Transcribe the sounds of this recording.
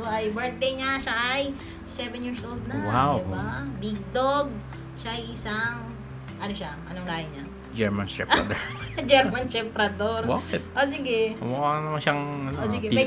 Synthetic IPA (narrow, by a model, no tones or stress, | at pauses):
oʔɐjbɛɹt̪̚d̪ɛjɲaʃaʔj | sɛvɛnjiːɹsʔold̪̚nɐwawɪbabiɡ̚d̪oɡ̚ | ʃaʔjʔɪsaŋ | ʔɐnoʃaʔɐnoŋlaːhɐjɲa | d͡ʒɛɹmansɛ̰pad̪oɹd͡ʒɛɾmɐnsɛpɾɐd̪oɾbaːkɛt̪̚ʔosɪɡɛmɐkanɐmanʃaŋʔɐnoosɪɡɛpɛ